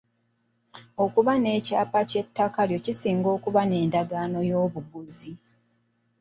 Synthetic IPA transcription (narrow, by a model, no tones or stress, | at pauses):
o̞kuβane̞ːcaːpace̞tːakaljo̞cisiːŋɡo̞ːkuβane̞ːndaɡaːno̞joːβuɡuzi